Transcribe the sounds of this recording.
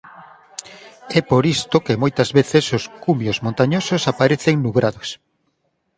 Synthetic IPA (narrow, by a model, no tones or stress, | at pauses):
ɛpoɾist̪okemojt̪ɐzβeθesoskumjozmõnt̪aɲososapaɾeθeŋnuɣɾaðos